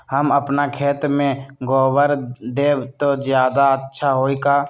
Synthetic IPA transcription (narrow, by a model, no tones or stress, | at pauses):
həməpnakʰeːt̪mẽɡɔːbəɾd̪eːbt̪od͡ʒjaːd̪aətːʃʰaɦoːika